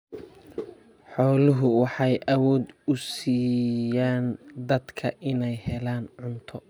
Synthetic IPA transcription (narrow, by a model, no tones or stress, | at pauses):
ħɔːlʊɦʊwɑħɑjʔɐwɔːd̪ʊsiːjaːnd̪ɐd̪kʰɐʔɪnɛjhɛlaːnʕʊnt̪ʰɔ